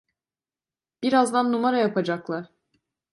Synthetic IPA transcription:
b̥iɾazd̪anːumaɾajapad͡ʒaklˠaɾ̥

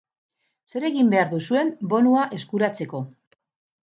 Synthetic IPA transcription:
se̞ɾe̞ɣimbe̞aɾðusue̞mbo̞nuaʔe̞skuɾat͡se̞ko̞

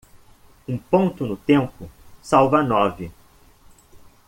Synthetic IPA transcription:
ũpõnt̪ʊnʊt̪ẽmpʊsawvɐnɔvɪ

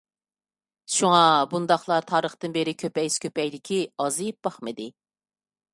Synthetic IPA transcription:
ʃuŋɑbund̪ɑχlˠɑt̪ʰɑːɾəχt̪ɨnbeɾɪkʲʰøpɛjskʲʰøpɛjd̪ɪkʲʰiɑzɨjp̚b̥ɑχmɨd̪ɪ

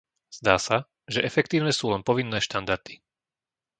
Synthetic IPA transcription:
z̥d̪aːsa | ʒɛʔɛfɛk̚t̪iːʊnɛsuːlɛnpɔʋinːɛːʃt̪and̪aɾd̪i̥

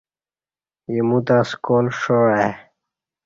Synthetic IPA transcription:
jemut̪askoːlʂoa

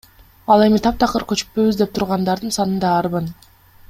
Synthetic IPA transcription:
ɑlˠe̞mit̪ʰɑp̚t̪ʰɑqɯɾkøt͡ʃy̥ppø̞βyzd̪e̞p̚t̪ʰuɾʁɑnd̪ɑɾd̪ɯnsɑnɯnd̪ɑːɾβɯn

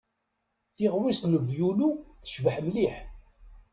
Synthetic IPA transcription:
θɪʁwisnəvjuluθə̥ʃvəħmliħ

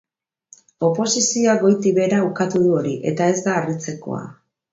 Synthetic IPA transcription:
o̞po̞sisioaɣo̞jt̪iβe̞ɾaukat̪uðuo̞ɾiʔe̞̰t̪ae̞zd̪aːrit͡se̞ko̞̰a̰

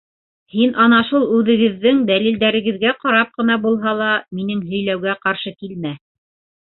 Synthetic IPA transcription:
hinʔɑnɑʃulˠʉðɘ̆ɡɘ̆ðːɘŋd̪ælild̪æɾɘ̆ɡɘ̆ðɡæqɑɾɑp̚qɤ̆nɑbulˠɦɑlˠɑminɘŋɦɵ̆jlæwɡæqɑɾʃɤkilmæ

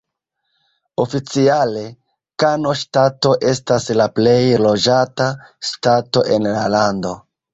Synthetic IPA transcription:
o̞fit͡siale̞ | kano̞ʃtato̞ʔe̞staslaple̞jlo̞d͡ʒataʃtato̞ʔe̞nlalando̞

